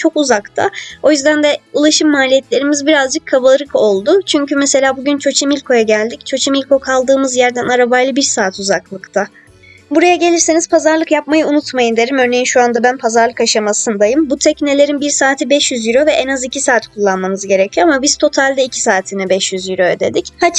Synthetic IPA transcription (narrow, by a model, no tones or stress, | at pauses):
t͡ʃʰo̞kuzakt̪ʰa̰o̞jyzd̪ænd̪ɛulˠaʃɯmːaːlʲijɛt̪lʲe̞ɾimizbiɾazd͡ʒɯkʰːaβalˠɾɯko̞lˠd̪ʊt͡ʃʰyɲcymɛse̞lʲaːbuɟynt͡ʃʰo̞t͡ʃʰimilʲkʰo̞jaɟælʲd̪ict͡ʃʰo̞t͡ʃʰimilʲko̞kʰalˠd̪ɯːmɯzjæɾd̪ænaɾabajlˠɯbiɾsaːt̪ʰuzaklˠɯkt̪ʰa | buɾajaɟe̞lʲiɾseniz̥pʰazaɾlˠɯkjap̚majɯunut̪majɯnd̪e̞ɾimø̞ɾne̞jinʃuand̪abænpʰazaɾlˠɯkaʃamasɯnd̪ajɯmbut̪ʰɛcne̞lʲe̞ɾinbiɾsaːt̪ʰibɛʃjyzjiɾovɛʔɛnazicʰisaːt̪kʰulˠːanmanɯzɟe̞ɾecʰijo̞amabiz̥t̪ʰo̞t̪ʰalʲd̪ɛicʰi̥saːt̪ʰinɛbɛʃjyzjyɾo̞jd̪e̞̰d̪ichat͡ʃ